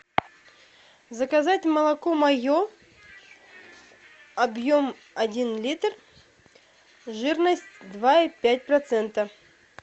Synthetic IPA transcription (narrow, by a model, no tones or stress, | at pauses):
zəkɐzatʲməlˠɐkomɐjo | ɐbjo̞m | ɐdʲinlʲit̪r | ʐɨrnəsʲtʲd̪vaipʲæt̚ʲpɾɐt̪sɛnt̪ə